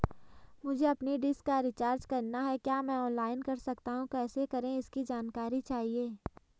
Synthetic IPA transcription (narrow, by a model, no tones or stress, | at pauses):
mʊd͡ʒʱeɐpniɖɪskːaɾɪt͡ʃaːɾd͡ʒkɐɾnaɦɛkjaːmɛ̃ɔːnlaːɪnkɐɾsɐkt̪aɦũkɛːsekɐɾẽɪskid͡ʒaːnkaːɾit͡ʃaːɦieː